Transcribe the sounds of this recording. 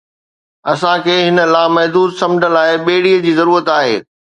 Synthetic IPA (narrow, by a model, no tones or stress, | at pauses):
ɐsãkʰeːɦɪnə̆laːmɐɦd̪uːd̪sɐ̃md͡ʑʱənlaːɪɓeːɽiəd͡ʑiːzɐɾuːɾət̪aːɦḛː